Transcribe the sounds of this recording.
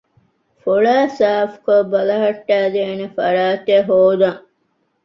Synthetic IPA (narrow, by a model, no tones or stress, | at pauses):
foɭaːsaːfkobɐlɐɦɐʈːæːd̪eːnefɐɾaːt̪eɦoːd̪ɐŋ